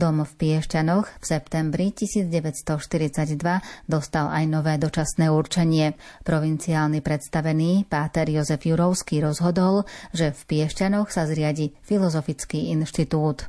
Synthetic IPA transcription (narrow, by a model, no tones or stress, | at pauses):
d̪ɔmfpɪɛʃcanɔxfsɛpt̪ɛmbɾicisiːd͡zɟɛʋɛcst̪ɔʃt̪iɾit͡saɟd̪ʋad̪ɔst̪alajnɔʋɛːd̪ɔt͡ʃasnɛːuɾt͡ʃɛɲɪɛpɾɔʋint͡siaːlnipɾɛt̪st̪aʋɛniːpaːt̪ɛɾjɔzɛfjuɾɔʊskiːɾɔzɦɔd̪ɔlʒɛfpɪɛʃcanɔxsazɾɪaɟifilɔzɔfit͡skiːinʃt̪it̪uːt̪